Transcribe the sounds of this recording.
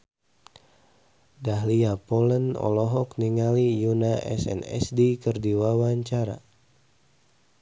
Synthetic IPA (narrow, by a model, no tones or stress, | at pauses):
daɦliapɔlənɔ̰lɔɦɔk̚niŋalijunaʔɛ̰sɛ̰nɛ̰sdikərdiwawaɲt͡ʃaɾa̰